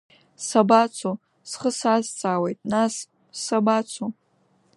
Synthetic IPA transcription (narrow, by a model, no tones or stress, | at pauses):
sabat͡sʰo | sχəsazt͡sʼaːwejtʼnasː | abat͡sʷʰo